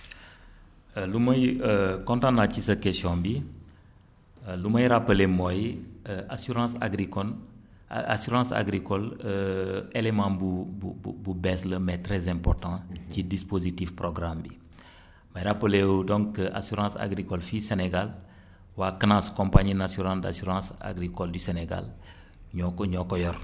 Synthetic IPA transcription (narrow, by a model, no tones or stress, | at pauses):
əlumɐjəkɔ̃ntãnacisɐkɛsjɔ̃bi | lumɐjɾapəlemɔjʔasyɾɑ̃ːsa̰ɡɾikɔl | asuɾɑ̃sa̰ɡɾikɔləelemɑ̃bubububɛsləmɛtɾɛzɛ̃mpɔrtɑ̃cidispozitifproɡɾambi | mɐjɾapːəlewudɔ̃ŋkːəʔa̰syɾɑ̃sa̰ɡɾikɔlfiseneɡal | waːkənãːskɔ̃mpaɲinasyɾɑ̃da̰syɾɑ̃ːsa̰ɡɾikɔldyseneɡa̰l | ɲɔkɔjɔr